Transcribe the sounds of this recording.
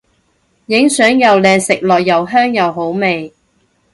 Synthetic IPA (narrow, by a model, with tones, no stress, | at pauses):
jɪ˨˥ŋsœː˨˥ŋjɐ˨wlɛː˨˧sɪ˨k̚lɔː˨jːɐ˨˩wɦœː˥ŋjɐ˨wɦo˨˥wme˨j